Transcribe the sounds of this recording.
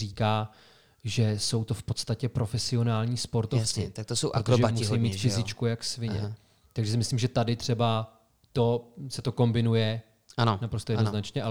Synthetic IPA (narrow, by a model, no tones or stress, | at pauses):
iːkaː | ʒɛso̞wt̪o̞fpo̞t̪st̪acɛpɾo̞fɛsɪo̞naːlɲiːspo̞ɾt̪oft͡sɪt̪ak̚t̪osowʔɾokoʒɛamusɛjmiːt̪fɪzɪt͡ʃkujaksvɪɲɛ̰ | t̪aɡʒɛsɪmɪslimʒɛt̪adɪt̪r̝̥ɛba | t̪o̞sɛt̪o̞ko̞mbɪnujɛ | anonapɾost̪ojɛnoznat͡ʃɲɛʔa